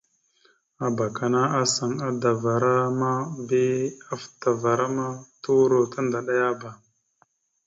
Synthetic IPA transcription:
a˨ba˨ka˨na˦a˦sa˨ŋa˦da˨va˨ɾa˦ma˦bi˦a˦fta˨va˨ɾa˦ma˦tu˦ɾo˨ta˦nda˨ɗa˦ja˦ba˨

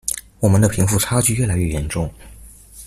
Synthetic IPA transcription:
wɔ˨˩mə˦nd̪ə˧pʰi˧˥ŋfu˥˩ʈ͡ʂʰa˥t͡ɕy˥˧ɥɛ˥˩la˧˥ɪɥɛ˥˩jɛ˧˥nʈ͡ʂʊ˥˩ŋ

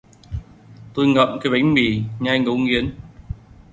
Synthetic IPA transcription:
t̪o˧jŋə̰˧˨mkaː˨˦jɓa˨˦jŋ̟mi˨˩ɲaː˧jŋə˨˦wŋi˨˦ən

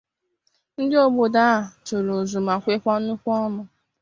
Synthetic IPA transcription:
n̩˦dɪ˦o˦ɡ͡bo˨da˦˨to˨ɾo˨zu˨ma˨kʷe˦kʷa˦nʊ˦kʷu˦ɔ˦mʊ˨

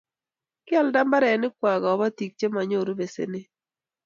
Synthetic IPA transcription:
kjɛ˦˨lda˦mba˦ɾɛ˨nɪ˦kwa˨ɡɔː˨ba˦ti˨k̚t͡ʃe˦ma˨ɲo˦˨ɾo˦be˨sḛ˨nɪ˦

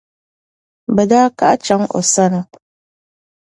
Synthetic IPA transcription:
bɛ˨daː˦ka˦ʔa˦t͡ʃa˦ŋʔɔ̰˨sa˦nɨ˨

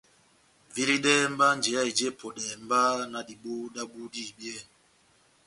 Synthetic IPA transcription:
vi˦ɾi˦ɗɛ˦m˦ba˦nd͡ʒɛ˨ja˦i˨d͡ʒe˦˨pʰo˨ɗɛ˨m˦ba˦na˨di˨ɓo˦da˦ɓu˦di˦˨bjɛ˦˨

